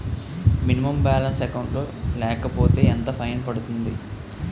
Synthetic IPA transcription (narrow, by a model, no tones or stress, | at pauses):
minimɐmbaːlɐnsɛkɐwɳʈloːlɛːkɐpo̞ːt̪e̞ːent̪ɐpʰɐjnpɐɽut̪und̪i